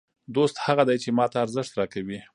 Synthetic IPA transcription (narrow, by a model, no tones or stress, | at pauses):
d̪ost̪haɣad̪ajt͡ʃemɑt̪aːɾzɪʂt̪ɾɑkawi